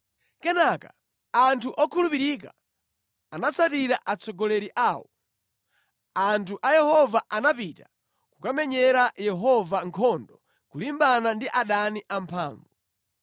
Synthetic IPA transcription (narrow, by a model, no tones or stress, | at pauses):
kɛnaka | antʰuʔɔkʰulupiɾika | anat͡sʰatiɾaʔat͡sʰɔɡɔlɛɾiʔaːwɔ | antʰuʔajɛhɔvaʔanapita | kukamɛɲɛɾajɛɦɔvaŋkʰɔndɔ | kulimbanandiʔaɗaniʔampʰaːɱvu